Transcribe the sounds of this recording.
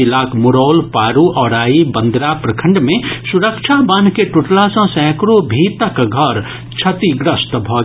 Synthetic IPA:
ilaːkmʊɾoːlpaːɾuʔɔːɾaːibə̃nd̪ɾapɾɐkʰə̃ɳɖmẽsʊɾəkʃʰabənkeʈʊʈlasɐ̃sɛ̃ːkɾobʱiːt̪əkɡʱɐɾ | t͡ʃʰɐt̪iɡɾəst̪bʱɔː

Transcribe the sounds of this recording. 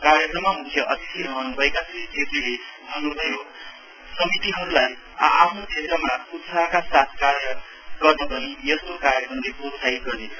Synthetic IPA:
kaɾjʌkɾʌmːamukʰjʌʔʌt̪it̪ʰiɾʌɦʌnubʱʌekasʰʌt̪esilebʱʌnːubʱʌjo | sʌmit̪iɦʌɾulaj̰ | apʰnod̪esʌmakut͡sʰakasat̪ʰkaɾjʌ | ɡʌrnʌpʌnijʌst̪okaɾjʌkrʌmlepot͡sʰajɡʌrne

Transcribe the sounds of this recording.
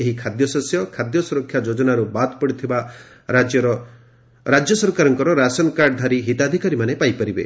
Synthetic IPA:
eɦikʰad̪jɔsɔsjɔkʰad̪jɔsuɾɔkʰːjad͡ʒod͡ʒɔnaɾubat̪pɔɽit̪ʰiba | ɾad͡ʒjɔɾɔ | ɾad͡ʒjɔsɔɾkaɾɔŋkɔɾɔɾasɔnkaɾɖd̪ʱaɾiɦit̪ad̪ʱikaɾimanepajpaɾibḛ

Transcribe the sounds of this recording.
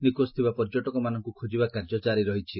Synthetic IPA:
nikost̪ʰibapɔɾd͡ʒoʈɔkɔmanɔŋkukʰod͡ʒibakaɾd͡ʒɔt͡ʃaɾiɾɔɦit͡ʃʰi

